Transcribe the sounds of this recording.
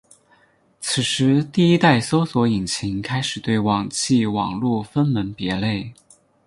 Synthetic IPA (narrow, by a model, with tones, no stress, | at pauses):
t͡sʰɹ̩˨˩ʂɻ̩˧˥t̪i˥˩i˥t̪a˥˩ɪso˥ʊswɔ˧˥i˨˩ŋt͡ɕʰi˧˥ŋkʰa˥ɪʂɻ̩˨˩t̪we˥˩ɪwɑ˨˩ŋt͡ɕʰi˥˩wɑ̰˨˩ŋlu˥˩fə˥nmə˧˥npjɛ˧˥le˥˩ɪ